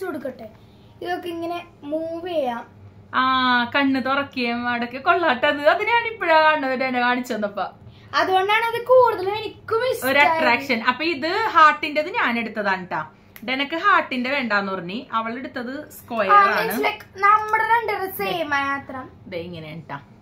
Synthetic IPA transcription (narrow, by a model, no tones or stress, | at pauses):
tuɽukːɐʈːe | iðokːeiŋːɐne | muːʋieja | aːkɐnːɨt̪orɐkːijɐmɐɽɐkːeko̞ɭːɐhɐʈːɐðɨɐðinaːɳipːiɭakaːɳɖɐðinenekaːɳit͡ɕːenːɐpːɐ | ɐðuɣoɳɖaːɳɨɐðɨkuːɽuðɐlenikʲːumisoɾɐaːʈraːkʂɐnɐpːoːiðɨhaːʈːindeiðɨɲaːne̞ɽut̪ːɐðaːɳiʈːaː | denɐkːɨɦaːʈːinde̞ʋe̞ːɳɖaːnːupɐrɐɲːiɐʋɐɭe̞ɽut̪ːɐðɨskoːjaːɐaːɳɨleknɐmːɐɽeɾeɳɖɐreseːmajaːt̪rɐ | ðeiŋːɐneɳʈːa̰ː